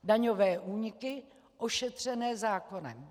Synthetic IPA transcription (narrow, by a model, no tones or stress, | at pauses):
daɲovɛːʔuːɲɪkɪ | ʔo̞ʃɛt̪r̝̥ɛnɛːzaːko̞nɛ̰